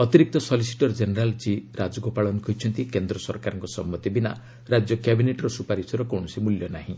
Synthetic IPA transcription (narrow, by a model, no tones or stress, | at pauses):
ɔt̪iɾik̚t̪ɔsɔlisi̥ʈɔɾd͡ʒeneɾalt͡ʃiɾad͡ʒɔɡɔpaɭɔnkɔɦit͡ʃʰɔnt̪ikend̪ɾɔsɔɾkaɾɔŋkɔsɔmːɔt̪ibina̰ | ɾad͡ʒjɔkjabineʈɾɔsupaɾisɔɾɔkɔwɳɔsimuljɔnaɦĩ